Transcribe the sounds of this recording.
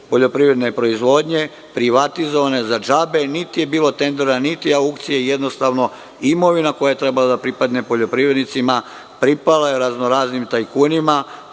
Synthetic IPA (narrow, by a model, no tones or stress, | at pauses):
po̞ʎo̞pɾivɾe̞d̪nepɾo̞izʋo̞ːd̪ɲe̞ | pɾiʋat̪izo̞ʋane̞zad͡ʒabe̞nit̪ije̞biːlo̞t̪e̞nd̪e̞ɾanit̪iaukt̪sijeije̞d̪nost̪aʋno̞ | imo̞ʋinako̞jaje̞t̪ɾe̞balad̪apɾipad̪ne̞po̞ʎo̞pɾivɾed̪nit̪sima | pɾipalajeɾaznoɾaːznimt̪ajkuːnima